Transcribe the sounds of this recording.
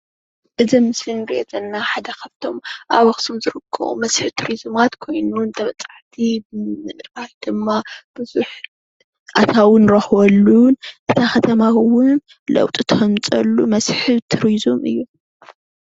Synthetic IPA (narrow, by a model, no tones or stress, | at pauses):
ʔɨzɐmɨslɨnɡezɐnːaħad̪ɐkʰɐβt̪ʰo̞mʔaβɐxsumzɨɾɨkʰːɐ̰ʔṵmɐsħɨt̪ʰɨɾizɨmat̪kʰo̞jnunt̪ʰɐβɐt͡sʼaʕt̪ʰibɨɨnɾajd̪̥ɨmːab̥ɨzuħ | ʔat̪ʰawɨnɾɐxwɐlːunʔɨt̪ʰaxɐt̪ʰɐmawʊn | lɐ̰wt̪ʼɨt̪ʰɐmt͡sʼɐlːumɐsħɨt̪ʰɨɾizumʔɨ̰jːu